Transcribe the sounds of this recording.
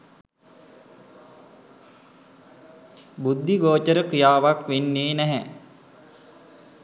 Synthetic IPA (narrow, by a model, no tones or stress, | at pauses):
bud̪ʱːiɡoːt͡ʃəɾəkɾijaːʋakʋenːeːnæɦɛ